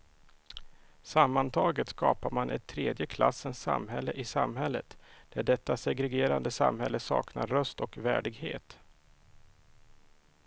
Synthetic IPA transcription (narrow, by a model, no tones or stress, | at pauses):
samːant̪ʰɑːɡət̪skɑːpaɾmanʔɛt̪ʰːɾeːd̪jəkʰla̰sːənsa̰mɦɛlːəʔɪsamhɛlːət̪d̪̥æɖɛt̪ːasɛɡɾɛɡeːɾand̪əsa̰mhɛlːəsɑ̰ːknaɾːœst̪ɔkvæ̰ːɖɪɡhḛːt̪